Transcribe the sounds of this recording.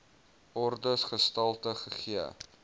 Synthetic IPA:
ɔrdəsχəstɐlˠtəχəχiə̰

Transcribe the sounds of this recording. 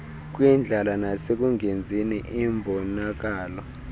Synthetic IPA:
k̬ʼwind͡ɮʱalanasek̬ʼuŋend͡zʱiniʔɛmbʱɔnak̬aːlɔ

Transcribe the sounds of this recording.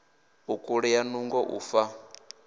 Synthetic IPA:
ukʼuɺɛjanuŋɡɔʔṵːfa

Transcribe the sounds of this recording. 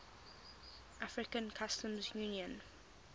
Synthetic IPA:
ʔafɹɪkə̃nkʰastə̃mzjuniə̃n

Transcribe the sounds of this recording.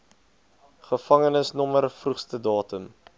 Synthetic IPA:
χəfɐŋənəsnɔməɾfruχstədɑːtəm

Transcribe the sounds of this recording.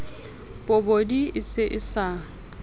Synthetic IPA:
b̥ʼʊbodiɪsɪʔɪsa

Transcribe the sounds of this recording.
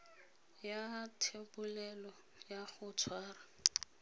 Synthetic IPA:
jatʰebʊlɛlɔ | jaɣʊt͡sʰwaːra

